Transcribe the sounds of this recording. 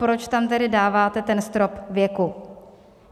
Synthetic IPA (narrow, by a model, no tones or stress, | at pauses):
pɾot͡ʃt̪amt̪ɛdɪdaːvaːt̪ɛt̪ɛnst̪ɾopvjɛku